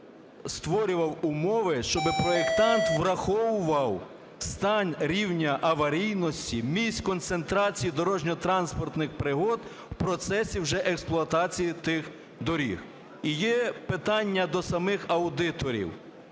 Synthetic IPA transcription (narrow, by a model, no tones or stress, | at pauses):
st̪ʋɔɾʲʊʋɐwʊmɔʋɪʃt͡ʃɔbɪpɾɔekt̪ɑnt̪ʋɾɐxɔʋʊʋɐw | st̪ɑnʲɾʲiwnʲɐʔɐʋɐɾʲijnɔsʲtʲimʲisʲkɔnt̪sent̪ɾɑt͡sʲijid̪ɔɾɔʒnʲɔt̪ɾɑnspɔrt̪nɪxpɾɪɦɔd̪ | wpɾɔt̪sɛsʲiwʒɛʔɛksplˠʊɐt̪ɑt͡sʲijit̪ɪx | d̪ɔɾʲḭx | ijɛpɪt̪ɑnʲːɐd̪ɔsɐmɪxɐwd̪ɪt̪ɔɾʲḭw